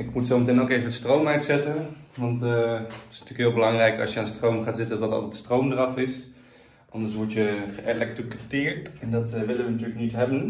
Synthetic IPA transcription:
ɪkmutsowmətɛnokejvənətstrowmɛɥtsɛtənʋɑnttɪsnətyːkɪːlˠbəlɑŋrɛjkɑ̰sjəaːnstrowmχaːtz̥ɪtəndɑtɑ̰lˠtɛtstrowmdərɑfɪs | ʔɑndəɹsʋɔɹtjəχəʔelɛk̚trikətɪːɹtɛndɑtʋɪlənʋənatyːləknitɦɛbən

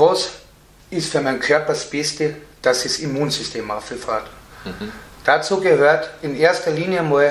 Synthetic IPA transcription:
vɔs | ɪstfyːɐmaɪnkʰœɐpɐsb̥ɪstəd̥asɛsimuːnsʏstʰeːmafɪlfaːt | d̥at͡suːɡəhøːɐtɪneːɐstɐliːnjəmɔ

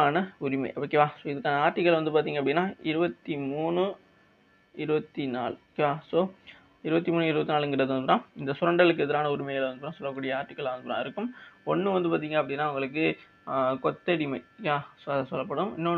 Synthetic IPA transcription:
aːnɐʊɾɪmɐ̰ɪʔɐpːɐkːeʋaːsoːɪðɯkːaːnɐaːɾʈːɪkːɐɭʋɐnd̪ɯp̬aːɾt̪iːŋɡɐpɐɽɪnːaːɪɾɯbɐt̪ːimuːɳɯ | ɪɾɯbɐt̪ːinaːlkːeʋaːsoː | ɪɾɯbɐt̪ːimuːnɯɪɾɯbɐt̪ːinaːlɛŋɡɪɾɐðɯʋɐnd̪ɯɾãːɪnd̪ɐsʊɾɐɳɖɐɭɯk̬ːɛðɐɾaːnɐʊɾɪmɐjɐlɐʋɐnd̪ɯpːɾãːsɔlːɐk̬ːuːɽɪjɐaːɾʈːɪkːɐɭaːʋɐnd̪ɯpːɾã̰ːɪɾɯkːɯmɔnːɯʋɐnd̪ɯpaːɾt̪iːŋɡɐːpːɐɽɪnːaːʊŋɡɐɭɯk̬ːɯ | kɔt̪ːɐɽɪmɐɪaːsosɔlːɐpːɐɽɯmɪ̰nːo

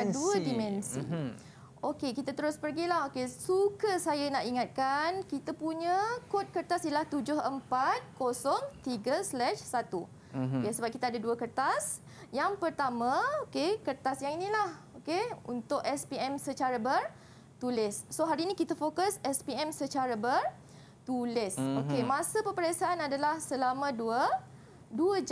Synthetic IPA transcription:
anduədimɛ̃nsḭ | okekit̪at̪əɾʊspərɡilahɦokesukəsajanaʔiŋat̪̚kankit̪apuɲəkot̪̚kərt̪asilaht̪ud͡ʒʊhəmpat̪̚kosɔŋt̪iɡəslɛʃsat̪u | okesəbap̚kit̪aadaduəkərt̪as | jaŋpərt̪amãokekərt̪asjaŋinĩlah | okeṵnt̪ʊʔɛspiɛmsət͡ʃaɾabər | t̪ulɪsːoɦaɾiːnĩkit̪afokasɛspiɛmsət͡ʃaɾabər | t̪ulɪsokemãsapəpəɾesaanadalahsəlamãduə | duəd͡ʒ

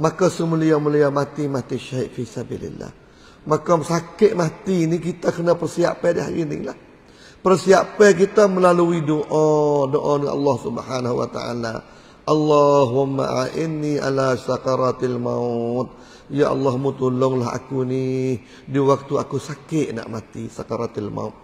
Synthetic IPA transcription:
makasəməlijaməliamat̪imat̪iʃaiʔfisabḭlḭlːa̰h | makasakɪʔ̚mat̪inik̬it̪akənapərsia̰pɛdia̰ḭnḭla̰h | pərsiapɛk̬it̪aməlaluidoʔãdoʔaniʔɑ̰lːɑhsubhanahuwa̰t̪a̰ʔa̰la̰ | ʔɑlːɑhwama̰ʔaʔɪnːiʔa̰lasakɑɾat̪ilmaut̪̚ | jaʔɑ̰lːahmut̪ulʊŋlaɦa̰kuni | diwak̚t̪uakusakɪʔna̰ʔmat̪isakaɾat̪ilma̰ʊt̪̚

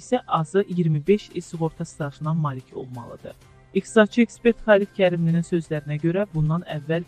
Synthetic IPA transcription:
isæʔɑzɯʔijiɾmibe̞ʃisuɣo̞ɾt̪ʰɑst̪ɑʃɯnɑmɑːlicʰo̞̰lˠmɑ̰lˠɯd̪ɯ̰ | ixt̪i̥sɑd̪̥̚t͡ʃʰɯekspe̞ɾt̪χɑːlit̪cʰæɾimlininsø̞zlæɾinæɟø̞ɾæbund̪ɑnævːæl

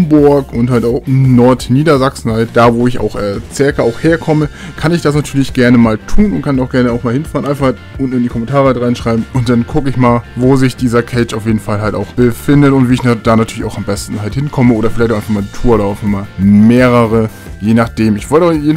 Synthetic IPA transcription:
mbʊɐkʊnthaltaʊxnɔɐtniːdɐzaksn̩halt̚d̥aːvoːɪça̰ʊxʔɛːt͡sɛɐkɐaʊxheːɐkʰɔmə | kʰanɪçd̥as̬natʰyːɐlɪçɡ̥ɛɐnəmaːltʰuːnʊntkʰanaʊxɡ̥ɛɐnəaʊxmaːlhɪnfaːʁnʔaɪnfahatʊnn̩ɪndikʰɔmɛntʰaːʁəaltʁaɪnʃʁ̥aɪbm̩ʊntd̥ankʰʊkəɪçmaːlvoːzɪçd̥iːzɐkʰɛɪt͡ʃaʊfjeːdn̩falɦalta̰ʊxb̥əfɪndətʊntv̥iːɪçd̥aːnatʰyːɐlɪçaʊxambɛstn̩ɦalthɪnkʰɔməʔoːɾɐfɪlaɪçtaʊaɪfaxmaːldiːtʰuːɐʔoːdaʊfɪmaːlmeːʁəʁə | jeːnaχd̥eːmɪçv̥ɔltəjeːdn

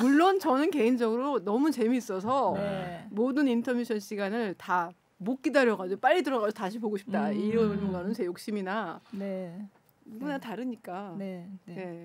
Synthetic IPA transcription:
muɭːont͡ɕʌnɯnke̞ind͡ʑʌɡɯɾonʌmut͡ɕe̞miːs͈ʌs̬ʰʌ | modɯnintʰʌmjuɕʰʌnɕ͈ʰiɡanɯɭta | mok͈idaɾjʌɡad͡ʑop͈aʎːitɯɾʌɣaosʰotaɕʰipoɡoɕʰi̥p̚t͈aiɾʌɡanɯnt͡ɕe̞jok̚ɕ͈iminane | nuɡunataɾɯɲik͈a | ne̞

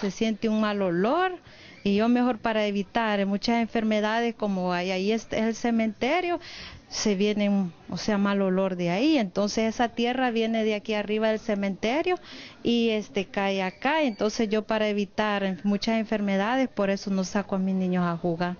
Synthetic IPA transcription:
se̞sjent̪euŋmalo̞lo̞ɾ | iʝo̞me̞xo̞ɾpaɾaeβit̪aɾemut͡ʃase̞ɱfe̞ɾme̞ðaðe̞sko̞moajaiest̪eelse̞mẽ̞nt̪eɾjo̞se̞βje̞neo̰seamalo̞lo̞ɾðeaie̞nt̪o̞nsesesat̪je̞raβje̞neðeakiariβaðelse̞mẽ̞nt̪eɾjo̞iest̪e̞kajakaent̪o̞nse̞sʝo̞paɾaeβit̪aɾemut͡ʃase̞ɱfe̞ɾme̞ðað̞e̞spo̞ɾe̞so̞no̞sakoamiznĩɲosaxuɣaɾ

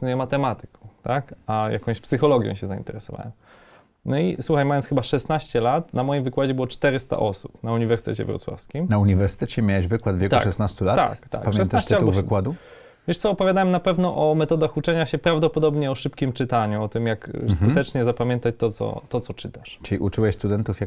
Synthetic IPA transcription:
nujɛmat̪ɛmat̪ɘ̥kɔ̃t̪akaja̰kɔ̃ɕpsɘxɔlɔɡʲjɔ̰̃ɕɛzaḭnt̪ɛɾɛsɔva̰wɛ̰m | nɔiswuxajmajɔnsxɘbaʂɛst̪naɕt͡ɕɛlat̪namɔjimvɘkwad͡ʑɛbɘwɔt͡ʂt̪ɛɾɨst̪a̰ʔɔsupnauɲivɛɾsɘ̥t̪ɛ̰t͡ɕɛ̰vɾɔ̰t̪swa̰fskʲimnauɲivɛɾsɘ̥t̪ɛt͡ɕɛmʲjawɛʑvɘkwad̪vʲjekt̪uaʂɛsnast̪ulat̪a̰kt̪a̰kpamʂʲɛʃɛnt̪at͡ɕt̪ɛalbɔvɨkwad̪u | vʲjɛʂt̪sɔːpɔvʲjad̪awɛmnapɛvnɔʔɔmɛt̪ɔd̪axut͡ʂɛɲaɕɛpɾavd̪ɔpɔd̪ɔbɲɛɔʂɘpkʲimt͡ʂɘt̪aɲuɔt̪ɘmjakskkut̪ɛt͡ʂɲɛzapamʲjɛnt̪at͡ɕt̪ɔt̪sɔ̰t̪ɔt̪sɔt͡ʂɘt̪aʂt͡ʂɘliʔut͡ʂɘwɛɕst̪ud̪ɛnt̪ufjak

